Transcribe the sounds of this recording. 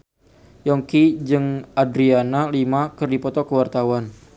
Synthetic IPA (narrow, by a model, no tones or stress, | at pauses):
jɔŋkid͡ʒɨŋʔadɾianalimakɨrdipɔt̪ɔkəwart̪awan